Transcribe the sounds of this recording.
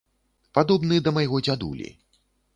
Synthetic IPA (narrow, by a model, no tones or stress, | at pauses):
pad̪ɔbnɨd̪ɐmɐjɣɔd͡zʲad̪ṵlʲḭ